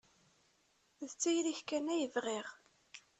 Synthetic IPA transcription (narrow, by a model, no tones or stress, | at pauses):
ðt͡sːæjliçkænːæjəvʁiʁ